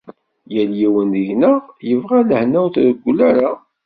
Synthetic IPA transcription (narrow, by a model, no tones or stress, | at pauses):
jæljiwənəʝnəʁjəvʁæləhnæwθɾəɡʷːlæɾa